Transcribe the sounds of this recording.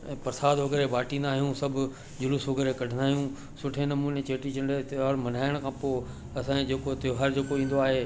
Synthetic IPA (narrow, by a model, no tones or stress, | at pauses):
ɛ̃ːpɐɾsaːd̪ɦoɡəɾebaːʈĩːnd̪aːɦijũsɐbʱʊ | d͡ʑʊlʊsɦoɡəɾekɐɖʱənd̪aːɦijũ | sʊʈʰenɐmuːnet͡ɕeːʈit͡ʃʰɐɳɖeɔɾmɐn̤aːɪəɽ̃kʰãːpoː | ɐsãed͡ʑeːkot̪ɦɐɾd͡ʑeːkoĩːn̆d̪oaːɦeː